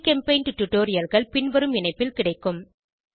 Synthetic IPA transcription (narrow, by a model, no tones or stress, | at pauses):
kɛmpeɪnʈʊʈːʊʈːoːɾɪjɐlɣɐɭpɪnʋɐɾɯmɪnɐɪpːɪlkɪɽɐɪkːɯm